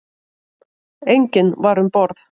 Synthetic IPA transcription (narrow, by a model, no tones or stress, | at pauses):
ejɲcɪnvaɾʏmpɔɾθ